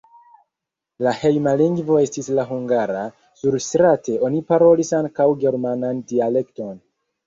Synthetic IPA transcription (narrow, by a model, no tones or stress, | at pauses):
lahe̞jmaliŋɡvo̞e̞stislaɦuŋɡaɾa | suɾstɾate̞o̞nipaɾo̞lisaŋkawɡe̞ɾmanandiale̞kto̞n